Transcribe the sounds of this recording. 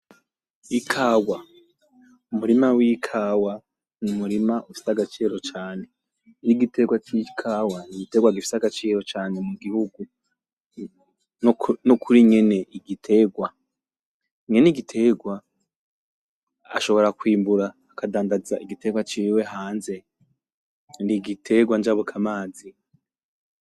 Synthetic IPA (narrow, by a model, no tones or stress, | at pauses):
ikʰaːwwa | umuɾimawikʰaːwa | numuɾimaʔufi̥saɡat͡ʃiːɾo̞t͡ʃaːne̞ | ɾiɡitʰe̞ɡwat͡ʃikʰaːwaniɡite̞ɡwaɡifi̥saɡat͡ʃiːɾo̞t͡ʃaːne̞muɡihuɡu | nnokʰuɾiŋe̞ne̞ʔiɡitʰe̞ɡwa | ŋe̞niɡitʰe̞ɡwa | ʃo̞βo̞ɾakwiːmbuɾaːkadaːndazaʔiɡite̞ɡwat͡ʃiːwe̞ɦaːnze̞ | niɡitʰe̞ɡwand͡ʒaβokʰamaːzi